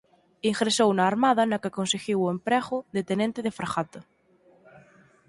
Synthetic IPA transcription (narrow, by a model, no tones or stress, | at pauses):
iŋɣɾesownaːɾmaðanakakonseɣiwoempɾɛɣʊðet̪enẽnt̪eðefɾaxat̪a